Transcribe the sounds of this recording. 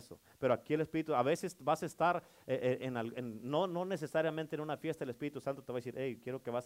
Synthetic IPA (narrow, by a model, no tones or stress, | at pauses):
so̰ | pe̞ɾoakiele̞spiɾit̪uaβe̞se̞sbasaest̪aɾ | eʔeʔenalenːono̞ne̞s̬e̞saɾjamẽnt̪enunafje̞st̪aðelespiɾit̪usanot̪eβaðesiɾʔejkjeɾo̞ke̞βas